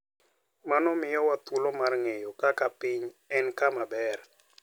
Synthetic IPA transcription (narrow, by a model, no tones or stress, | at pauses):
manɔmɪjɔwat̪ulɔmarŋejɔkakapɪɲɛnkamabɛr